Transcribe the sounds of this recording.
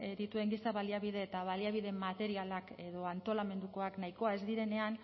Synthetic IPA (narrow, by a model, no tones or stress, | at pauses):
d̪it̪ue̞ŋɡisaβaliaβiðe̞ːt̪aβaliaβ̞iðe̞mat̪e̞ɾialake̞ðo̞ant̪o̞lame̞nd̪uko̞aknaiko̞ae̞zd̪iɾe̞ne̞an